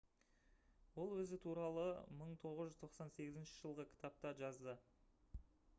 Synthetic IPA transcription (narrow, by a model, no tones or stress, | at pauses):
wo̞lˠwɵzɪt̪ʰuɾɑlˠəməɴt̪ʰo̞ʁəzʒʏzt̪ʰo̞qsɑnse̞ɡʲɪzɪnʃɪʒəlˠʁəkʲʰɪ̥t̪ap̚t̪ɑʒɑzd̪ə